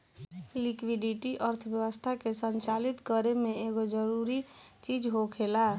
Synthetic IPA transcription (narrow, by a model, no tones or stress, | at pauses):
likwiɖiʈiʔəɾt̪ʰəbjəwəst̪ʰakesənt͡ʃalit̪kəɾemẽeɡod͡ʒəɾuɾit͡ʃid͡ʒɦokʰela